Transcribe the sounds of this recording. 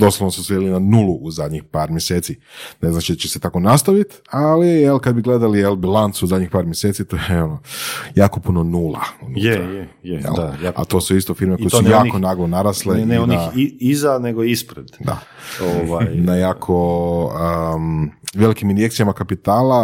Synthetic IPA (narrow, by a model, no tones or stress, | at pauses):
d̪o̞sloʋnosuselinanulˠuʔuzad̪ɲixpaːɾmjeseːt̪sineznat͡ʃid̪at͡ʃese̞t̪ako̞nast̪aʋit̪ | alijelkad̪biɡle̞d̪alijelbilant̪suuzad̪ʲɲixpaːɾmjeset̪sit̪oːjeo̞nojaːkopuno̞nuːlˠa̰unut̪ | jjḛla̰t̪o̞ːsuist̪ofiɾmekojeujaːkonaɡonaɾasleneoniaizaneɡoispɾed̪̥d̪a̰oajnajaːkʰoə | ʋje̞likiminjekt̪sijamakapit̪aːla